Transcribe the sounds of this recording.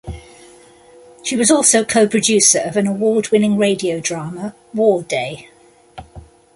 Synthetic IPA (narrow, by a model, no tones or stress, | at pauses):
ʃiwɒzɔˑlˠsəʊkʰəʊpʰɹ̥əd͡ʒʉˑsəɹəvə̃nəwɔːdwɪ̃nɪ̃ŋɹeɪdiəʊdɹɑːmə | wɔːdeɪ